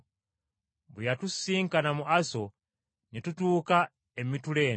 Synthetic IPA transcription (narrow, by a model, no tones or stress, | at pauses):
bujatusiːŋkanamuʔaso̞ | netutuːka | e̞mituleːn